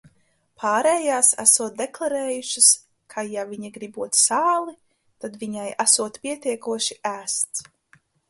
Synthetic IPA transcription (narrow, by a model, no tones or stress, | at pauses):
pʰaːɾɛːjaːsæ̰suɔt̪̚d̪eklˠaɾɛːjuʃas | kʰajaviɲiɡɾibuɔt̪saːlˠi | t̪ad̪viɲajæsuɔt̪pʲiɛt̪ʲiɛkuɔʃiʔæːst̪s